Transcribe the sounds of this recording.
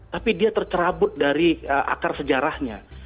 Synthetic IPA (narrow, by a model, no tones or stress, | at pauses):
t̪apidiat̪ərt͡ʃəɾabʊt̪̚daɾiəʔa̰karsəd͡ʒaɾahɲa̰